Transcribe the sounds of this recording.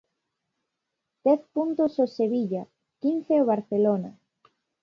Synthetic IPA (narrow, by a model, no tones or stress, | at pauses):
d̪̥ɛθpunt̪ososeβiʎa | kin̟θeoβ̞aɾθelona